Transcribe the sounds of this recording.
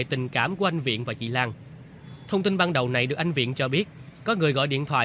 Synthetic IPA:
e˧˨t̪ï˨˩ŋ̟kaː˧˩mku˧˩əʔa˧ŋ̟vḭ˧˨ənvaː˨˩t͡ɕḭ˧˨laː˧ŋ | t̪ʰə˧wŋ͡mt̪i˧nɓaː˧nɗə˨˩wna˨˩jɗɨ˨˩ək̚ʔa˧jŋ̟vḭ˧˨ənt͡ɕɔ˧ɓi˦˥ət̚kɔ˨˦ŋɨ˨˩əjɣɔ̰˧˨jɗḭ˧˨ənt̪ʰwa̰ː˧˨

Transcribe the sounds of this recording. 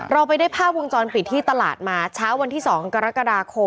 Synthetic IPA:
ɾa˧wpa˧jdaː˥˩pʰaː˥˩p̚wo˧ŋt͡ɕɔː˧npi˨˩t̪ʰːiː˥˩t̪a˧la̰ː˨˩t̪̚maː˧t͡ɕʰaː˦˥wa˧nt̪ʰiː˥˩sɔː˩˦ŋka˧ɾa˦˥ka˧daː˧kʰo˧

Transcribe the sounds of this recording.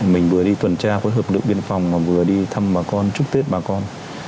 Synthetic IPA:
mï˨˩ŋ̟vɨ˨˩əɗi˧t̪wə˨˩nt͡ɕaː˧xwo˨˦jɦəː˨˩p̚ɗɨ˨˩ək̚ɓi˧ənfa˨˩wŋ͡mmaː˨˩vɨ˨˩əɗi˧t̪ʰa˧mɓaː˨˩kɔ˧nt͡ɕʊ˦˥k̚t̪i˦˥t̚ɓaː˨˩kɔ˧n

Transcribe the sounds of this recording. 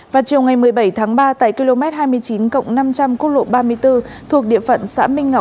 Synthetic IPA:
vaː˨˩t͡ɕi˨˩əwŋa˨˩jmɨ˨˩əjɓə˧˩jt̪ʰaː˨˦ŋɓaː˧t̪a̰ː˧˨jki˧lo˧mɛ˦˥t̚haː˧jmɨ˧əjt͡ɕi˨˦nkə̰˧˨wŋ͡mna˧mt͡ɕa˧mku˦˥t̚lo̰˧˨ɓaː˧mɨ˧əjt̪ɨ˧ | t̪ʰu˨˩ək̚ɗḭ˧˨əfə̰˧˨nsa̰ː˧˥mï˧ŋ̟ŋa˨˩

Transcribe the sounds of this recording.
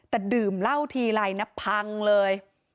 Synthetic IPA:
t̪ɛː˨˩dɯː˨˩mla˥˩wt̪ʰiː˧la˧jna˦˥pʰːa˧ŋlɤː˧j

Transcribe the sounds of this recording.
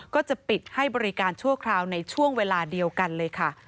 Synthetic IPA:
kɔː˥˩t͡ɕa˨˩pi˨˩t̪̚ha˥˩jbɔː˧ɾi˦kaː˧nt͡ɕʰu˥˩əkʰɾaː˧wna˧jt͡ɕʰu˥˩əŋweː˧laː˧di˧əwka˧nlɤː˧jkʰa˥˩

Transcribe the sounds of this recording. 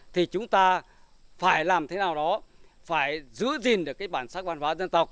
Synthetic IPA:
t̪ʰi˨˩t͡ɕʊ˨˦ŋ͡mt̪aː˧ | faː˧˩jlaː˨˩mt̪ʰe˨˦naː˨˩wɗɔ˨˦ | faː˧˩jzɨ̰˧˥əzi˨˩nɗɨ˨˩əkːaː˨˦jɓaː˧˩nsaː˦˥k̚va˧nɦwaː˨˦zə˧nt̪ə˨˩k͡p̚

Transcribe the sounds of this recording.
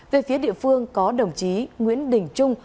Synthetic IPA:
ve˨˩fi˨˦əɗḭ˧˨əfɨ˧əŋkɔ˨˦ɗə˨˩wŋ͡mt͡ɕi˨˦ŋwḭ˧˥ənɗï˨˩ŋ̟t͡ɕʊ˧ŋ͡m

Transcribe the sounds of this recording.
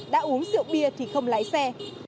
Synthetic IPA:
ɗa̰ː˧˥ʔu˨˦əŋsɨ̰˧˨əwɓi˧ət̪ʰi˨˩xə˧wŋ͡mlaː˨˦jsɛ˧

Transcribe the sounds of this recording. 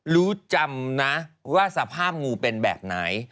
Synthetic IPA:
ɾuː˦˥t͡ɕa˧mna˦˥waː˥˩sa˧pʰaː˥˩p̚ŋuː˧pe˧nbɛ̰ː˨˩p̚na˩˦j

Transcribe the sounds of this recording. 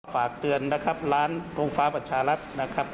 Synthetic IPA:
faː˨˩k̚t̪ɯ˨˩ənːa˦˧˩kʰa˦˥p̚laː˦˥ntoː˧ŋfaː˦˥pa˧t͡ɕʰaː˧˩la˦˥t̪̚na˦˧˩kʰa˦˥p̚

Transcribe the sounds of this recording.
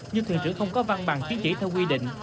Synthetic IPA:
ɲɨ˧t̪ʰḭ˧˨ənsɨ̰˧˥˩xə˧wŋ͡mkɔ˨˦va˧ŋɓa̰ː˨˩ŋt͡ɕʰi˨˦nt͡ɕi˧˩t̪ʰɛ˧wk̬wi˧ɗḭ̈˧˨ŋ̟

